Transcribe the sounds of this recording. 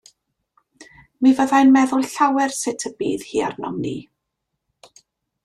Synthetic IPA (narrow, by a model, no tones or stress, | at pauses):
mivəðajnmɛðʊlˠɬawɛrsɪtʰəbiːðhiːa̰rnɔmnḭː